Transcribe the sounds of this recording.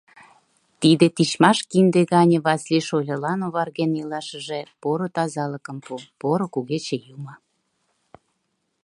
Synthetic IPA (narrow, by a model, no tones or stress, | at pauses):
t̪id̪et̪it͡ɕmɑʃkind̪eɣɑnʲĕβɑsliʃolʲəlɑnoβɑrɣenilɑʃəʒepoɾot̪ɑzɑləkə̆mpupoɾokuɣet͡ɕejumə